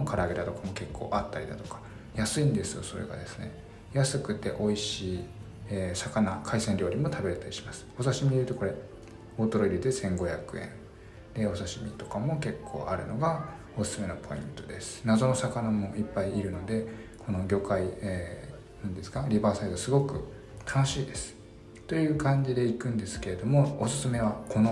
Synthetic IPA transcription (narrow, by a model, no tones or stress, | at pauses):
okʰaɾaːɡed̪at̪o̞kamo̞ke̞kʰːo̞̰ːʔat̪ːaɾʲid̪a̰t̪o̞̥kḁ | jasɨĩnd̪e̞sɨjo̞̰so̞̰ɾe̞̰ɡa̰d̪e̞sɨ̥ne̞̰ | jasɨkɯ̟t̪e̞̰ʔo̞iɕiː | esakanakʰaisẽɲɾʲo̞ːɾʲimo̞t̪ʰabe̞ɾet̪aɾʲi̥ɕi̥masɨ̥o̞saɕimʲieɾɯt̪o̞ko̞ɾe̞ | o̞ːt̪o̞ɾoiɾʲid̪e̞sẽ̞ŋɡo̞çjakɯ̟ẽn | d̪̥e̞o̞saɕimʲḭt̪o̞kamo̞ke̞kʰːo̞̰ːʔaɾɯ̟̰no̞ɡa | osɨ̥sɨme̞nopʰo̞ḭ̃nt̪o̞d̪e̞sɨ̥nazo̞no̞sakanamo̞ipːaiːɾɯ̟no̞d̪e̞kʰo̞no̞ɡʲo̞ːkaie | nãnd̪e̞sɨ̥kaɾʲibaːsaid̪osɨɡo̞kɯ̟ | t̪ʰano̞ɕiːd̪e̞sɨ̥ | t̪o̞jɯ̟ːkãɲ̟d͡ʑid̪e̞ikɯ̟̃nd̪e̞sɨ̥ke̞ɾe̞d̪o̞mo̞osɨ̥sɨme̞β̞akʰo̞no